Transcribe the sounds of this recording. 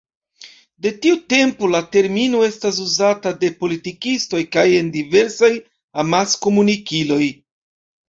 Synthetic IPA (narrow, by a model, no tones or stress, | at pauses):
de̞tiute̞mpolate̞ɾminoe̞stas̬uzatade̞po̞litikisto̞jkaje̞ndive̞ɾsaj | amasko̞munikilo̞j